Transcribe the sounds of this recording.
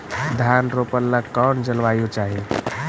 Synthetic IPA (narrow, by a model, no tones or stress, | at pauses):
d̪ʱanɾopəlːəkɔnd͡ʒəlʋajut͡ʃaɦi